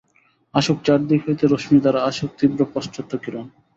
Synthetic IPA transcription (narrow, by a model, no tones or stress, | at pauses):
aʃok̚t͡ɕaɾd̪ikɦojt̪eɾoʃmid̪aɾaaʃok̚t̪ibɾopɔsʈ̪ʰot̪ːokiɾon